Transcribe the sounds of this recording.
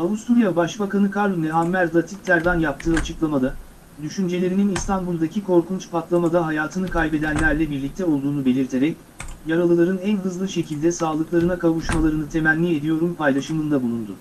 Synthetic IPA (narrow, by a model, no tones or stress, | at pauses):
avust̪uɾjabaʃbakanɯkʰaɾlˠonɛɦamːæɾlˠat̪ʰit̪ʰːæɾd̪anjap̚t̪ʰːɯːat͡ʃʰɯklˠamad̪a | d̪yʃynd͡ʒe̞lʲe̞ɾininist̪ʰanbulˠd̪acʰikʰo̞ɾkunt͡ʃpʰat̪lˠamad̪aɦajaːt̪ʰɯnɯkʰajbe̞d̪ænlʲæɾlʲɛbiɾlʲic̚t̪ʰɛo̞lˠd̪uːnube̞lʲiɾt̪ʰe̞ɾɛc | jaɾalˠɯlˠaɾɯnænɦɯzlˠɯʃe̞cʰilʲd̪ɛsaːlˠɯklˠaɾɯnakʰavuʃmalˠaɾɯnɯt̪ʰe̞mænlːʲie̞d̪ijo̞ɾumpʰajlˠaʃɯmɯnd̪abulˠund̪ʊ